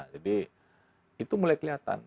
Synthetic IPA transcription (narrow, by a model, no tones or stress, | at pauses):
d͡ʒadi | it̪umulajkəliɦat̪a̰n